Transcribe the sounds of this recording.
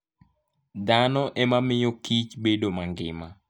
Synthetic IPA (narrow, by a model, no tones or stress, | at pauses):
danɔʔɛmamɪjokit͡ʃbedomaŋɡɪ̰ma